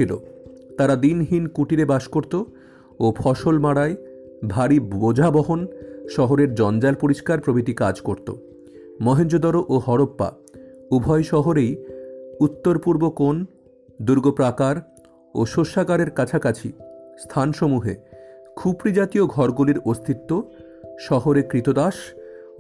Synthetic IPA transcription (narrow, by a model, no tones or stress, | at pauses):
ilo̰ | t̪aɾad̪inɦinkuʈiɾebaʃkoɾt̪o | opʰɔʃolmaɽae | bʱaɾibod͡ʑʱabɔɦonʃɔɦoɾeɾd͡ʑɔnd͡ʑalpoɾiʃkaɾpɾobʱit̪ikad͡ʑkoɾt̪o̰ | mɔɦend͡ʑod̪ɔɾoʔoɦɔɾopːa̰ | ubʱɔjʃɔɦoɾejut̪ːoɾpuɾbokon | d̪uɾɡopɾakaɾ | oʃoʃːaɡaɾeɾkat͡ɕʰakat͡ɕʰḭst̪ʰanʃomuɦḛkʰupɾid͡ʑat̪ioɡʱɔɾɡuliɾost̪ʰit̪ːo | ʃɔɦoɾekɾit̪od̪aʃ